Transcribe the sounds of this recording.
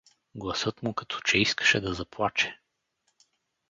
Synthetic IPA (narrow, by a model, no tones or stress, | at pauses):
ɡlˠɐsɤt̪mʊkɐt̪ʰɔ̥t͡ʃɛiskə̥ʃɛd̪ɐzɐplˠat͡ʃɛ̥